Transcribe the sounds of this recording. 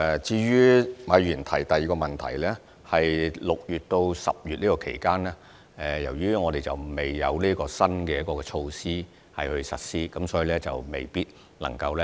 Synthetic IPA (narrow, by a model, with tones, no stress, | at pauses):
t͡siː˧ɥyː˥mɐ˨˧jɥyː˨˩nt̪ʰɐ˨˩jt̪ɐ˨jiː˨kɔ˧mɐ˨nt̪ʰɐ̰˨˩jlɛː˥ | hɐ˨jlʊ˨k̚jyː˨t̚t̪o˧wsɐ̰˨p̚jyː˨t̚liː˥kɔː˧kʰḛ˨˩jkaː˥nɛː˥ | ɛ˨˧jɐ˨˩wɥyː˥ŋɔː˨˧t̪e˨jt͡sɐ˨˩wme˨jːɐ˨˧wliː˥ɐkɔː˧sɐ˥nkɛː˧jɐ˦˥kɔː˧kɛ˧t͡ʃʰo˧wsiː˥ | hɐ˨jhɵ˧sɐ˨t̚siː˥kɐ˨˦msɔː˨˥jiː˨˧lɛː˥t͡sɐ˨wme˨˩jpiː˥t̚ | nɐ̰˨˩ŋkɐ˧wlɛ˥